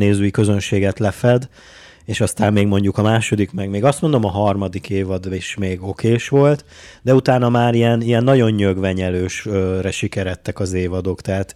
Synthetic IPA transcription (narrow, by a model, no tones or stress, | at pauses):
neːzøːikø̞zø̞nʃeːɡɛt̪lɛfɛd̪ | eːʃɒst̪aːmːeːɡmo̞ɲɟukɒmaːʃo̞d̪ikmɛɡmeːɡɒst̪mo̞nd̪o̞mɒɦɒrmɒd̪ikeːvɒd̪eʃmeːɡo̞keːʃʋo̞lt̪ | d̪ɛut̪aːnɒmaːɾijɛnijɛnːɒɟo̞ɲːøɡʋɛɲɛløːʃrɛʃikɛɾɛt̪ːɛkɒzeːvɒd̪oːkt̪ɛɦaːt̪